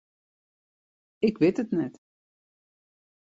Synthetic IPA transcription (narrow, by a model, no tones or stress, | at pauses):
ɪkʋɪtətnɛt